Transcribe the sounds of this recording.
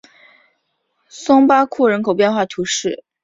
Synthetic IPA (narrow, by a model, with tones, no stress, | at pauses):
sʊ˥ŋpa˥kʰu˥˩ɻə˧˥nkʰo˨˩ʊpjɛ˥˧nxwa˥˩t̪ʰju˧˥ʂɻ̩˥˩